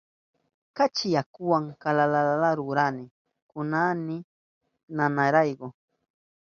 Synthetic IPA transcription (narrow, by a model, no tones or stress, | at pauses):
kat͡ʃɪjakʊwaŋkalalalalaɾʊɾanɪ | kʊnanɪ | nanaɾajɢo